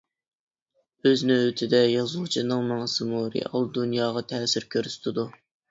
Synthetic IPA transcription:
øznɪŋøt̪ʰɪd̪ɛjɑzlˠt͡ʃʰinɨŋmɑŋsɨmuɾḛʔɑlˠd̪unjɑːʁɑt̪ʰɛːsɪɾkʲʰøɾsɪ̥t̪ʰɪd̪u

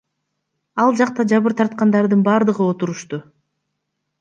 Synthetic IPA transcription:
ɑlˠd͡ʒɑq̚t̪ɑd͡ʒɑβɯɾt̪ʰɑɾt̪̚qɑnd̪ɑɾd̪ɯnbɑːɾd̪ɯʁɯo̞t̪uɾuʃt̪u

